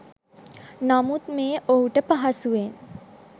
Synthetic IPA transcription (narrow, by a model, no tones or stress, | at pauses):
namut̪meːʔoɦuʈəpaɦasuʋen